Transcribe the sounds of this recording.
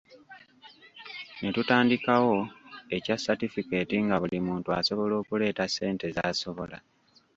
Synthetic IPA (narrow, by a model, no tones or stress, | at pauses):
netutaːndikawo̞e̞casatifike̞ːtiŋɡaβulimuːntua̰so̞βo̞lo̞ːkule̞ːtase̞ːnte̞zaːso̞βo̞la